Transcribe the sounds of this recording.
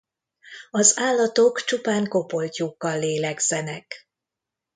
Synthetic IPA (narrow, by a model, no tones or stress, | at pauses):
ɒzaːlːɒt̪o̞kt͡ʃupaːŋko̞po̞lcuːkːɒlːeːlɛɡz̥ɛnɛk